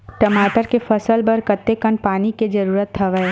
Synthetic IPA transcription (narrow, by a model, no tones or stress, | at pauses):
ʈɐmaːʈəɾkefɐsəlbɐɾkɐt̪ːekən̚paːniked͡ʒɐɾuːɾət̪ɦɐʋəe